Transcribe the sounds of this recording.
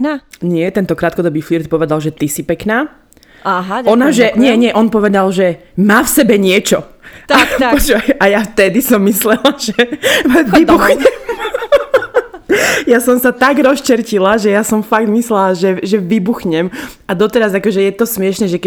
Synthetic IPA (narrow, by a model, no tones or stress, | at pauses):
naɲɪɛt̪ɛnt̪ɔkɾaːt̪̚kɔd̪ɔbiːfliɾt̪pɔʋɛd̪alʒɛt̪isipɛknaː | aɦaɔnaʒɛɲɪɛɲɪɛʔɔnpɔʋɛd̪alʒɛmaːfsɛbɛɲɪɛt͡ʃɔt̪apɔt͡ʃaajaft̪ɛd̪isɔmːislɛlaʒ̥ɛ | ʋibuxɲɛm | jasɔmsat̪aɡɾɔst͡ʃɛɾcilaʒɛjasɔmfaɡ̚t̪mislɛlaʒɛʒɛʋibuxɲɛmad̪ɔt̪ɛɾazakɔʒɛjɛt̪ɔsmɪɛʃnɛːʒɛk